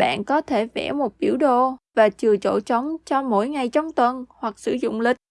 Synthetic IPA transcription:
ɓa̰ː˧˨nkɔ˨˦t̪ʰe˧˩vɛ̰˧˩mo˨˩t̚ɓḭ˧˩əwɗo˧˨vaː˨˩t͡ɕɨ˨˩ət͡ɕo̰˧˩t͡ɕə˨˦wŋ͡mt͡ɕɔ˧mo̰˧˥jŋa˨˩jt͡ɕɔ˨˧wŋ͡mt̪wə˧˩nhwa˨˩k̚sɨ̰˧˥zʊ̰˧˨ŋ͡mlï˨˩k̟̚

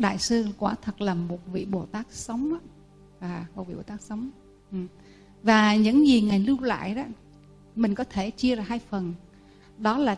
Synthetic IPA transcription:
ɗa̰ː˧˨jsɨ˧kwaː˧˩˦t̪ʰə˨˩t̚laː˨˩mːo˨˩t̚vḭ˧˨ɓo˨˩t̪aː˦˥k̚sə˨˦wŋ͡ma˨˦ | aː˨˩o˨˧˩vḭ˧˨ɓo˨˩t̪aː˦˥k̚sə˨˦wŋ͡m | ʔɨ˨˩ | vaː˨˩ɲɨ̰˧˥ŋzi˨˩ŋa˨˩jlɨ˧wla̰ː˧˨jɗɔ˨˦ | mï˨˩ŋ̟kɔ˨˦t̪ʰe˧˩t͡ɕi˧əzaː˨˩ɦaː˧jfə˨˩n | ɗɔ˨˦laː˨˩

